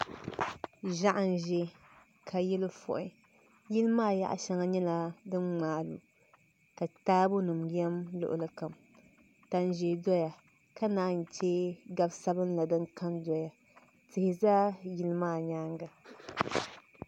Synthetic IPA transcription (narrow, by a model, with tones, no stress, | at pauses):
ʒa˦ʔa˨n˨ʒɛ˨ | kʰa˨jɛ˦lɨ˦fɔ̰˨ʔɪ˦ | ji˦lɨ˦maː˦˨ja̰˦ʔa̰˦ʃa˨ŋa˨ɲɛ˦la˨dɨ˦nŋ͡maː˨lṵ˨ | ka˨taː˦bʊ˦nɨ˨mjɛ˦mlʊ̰˨ʔʊ̰˨lɨ˦ka˨m | ta˨n˨ʒɛ˨dɔ˦ja˨ | ka˦naː˦˨n̩˨t͡ʃɛː˦ɡa˦bsa˦bɨ˦nla˨dɨ˦ŋka˦ndɔ˨ja˨ | tɨ˨hɪ˨zaː˦ji˦lɨ˦maː˦˨ɲaː˦ŋɡa˨